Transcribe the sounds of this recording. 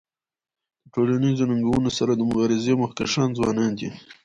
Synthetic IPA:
d̪əʈolanizonaŋɡawunosaɾad̪əmʊɣɑɾɪzemʊxkaʃɑnzwɑ̰nɑnd̪i

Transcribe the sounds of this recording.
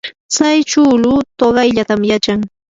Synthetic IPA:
t͡sajt͡ʃʊːlʊt̪oɢɑjʎat̪amjat͡ʃaŋ

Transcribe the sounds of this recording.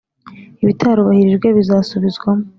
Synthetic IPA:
iβitʰaɾuβahiɾiʒɡweβizaːsuβizɡwamo

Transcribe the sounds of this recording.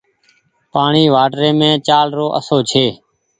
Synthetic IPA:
paːɳiːʋaːʈɾẽːmẽːt͡ʃaːlɾoːʔəsoːt͡ʃʰeː

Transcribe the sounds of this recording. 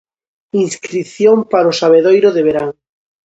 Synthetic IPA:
ĩnskɾiθjõmpaɾosaβeðojɾoðeβeɾaŋ

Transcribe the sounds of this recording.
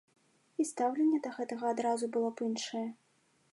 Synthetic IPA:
ist̪awlʲenʲːɛd̪ɐɣɛt̪ɐɣɐːd̪ɾazubɨlˠɔpɨnʂɐjɛ

